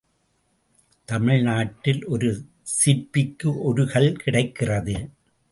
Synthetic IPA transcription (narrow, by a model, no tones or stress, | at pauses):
t̪ɐmɪɻnaːʈːɪlɔɾɯ | sɪɾpːɪkːɯʔɔɾɯɣɐɭkɪɽɐɪkːɪrɐðɯ